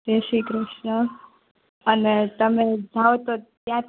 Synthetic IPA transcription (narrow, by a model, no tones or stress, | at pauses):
ɾeʃikɾɪʃɳəː | net̪əmẽd͡zʱawot̪ot̪jãt̪